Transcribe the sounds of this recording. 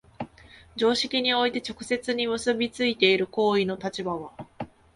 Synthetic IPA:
d͡ʑo̞ːɕi̥kʲiɲ̟io̞it̪e̞t͡ɕo̞kɯ̟̥se̞t͡sɨɲ̟imɯ̟sɨbʲit͡sɨit̪e̞iɾɯ̟ko̞ːino̞t̪at͡ɕibaβ̞a

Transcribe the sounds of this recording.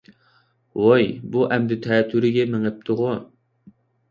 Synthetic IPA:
wojbuʔɛmd̪ut̪ʰɛːt̪ʰːyɾɪɡʲɛmɪŋɪp̚t̪ʰʊʁʊ

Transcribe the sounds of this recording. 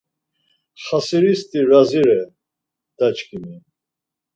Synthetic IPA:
χasiɾist̪ʼiɾaziɾɛ | d̪̥at͡ʃkʰʼimi

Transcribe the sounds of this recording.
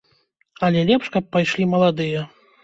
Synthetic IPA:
ɐlʲɛlʲɛpʂkɐp̚ːajʂlʲimɐlˠad̪ɨjɐ

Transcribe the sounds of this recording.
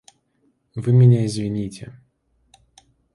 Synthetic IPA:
vɨmʲɪnʲaɪzvʲɪnʲitʲɪ̰

